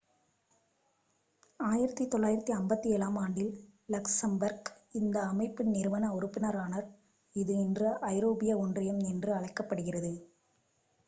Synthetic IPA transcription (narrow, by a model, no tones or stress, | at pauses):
aːjɪɾɐt̪ːit̪ːɔɭːaːjɪɾɐt̪ːiɐmbɐt̪ːiɛːlaːmaːɳɖɪllɐksɐmbɐɾɡ | ɪnd̪ɐːmɐɪpːɯnɪɾʋɐnɐɔɾɯpːɪnɐɾaːnɐɾ | ɪðɯɪndrɐʔɐɪɾoːbɪjɐɔndrɪjɐmnɪndrɯɐɻɐɪkːɐpːɐɽɯɣɪrɐðɯ